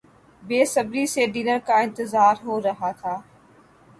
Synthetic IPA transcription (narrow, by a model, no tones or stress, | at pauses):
beːsɐbɾiseːɖiːnəɾkãːɪ̃nt̪ɪzaːɾɦoːɾɐɦaːt̪ʰaː